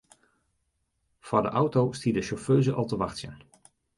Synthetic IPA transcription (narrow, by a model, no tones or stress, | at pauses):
faɹdə̰ʔʌwtowstidəʃɔføːzəʔɑlˠtəʋɑχtə̰n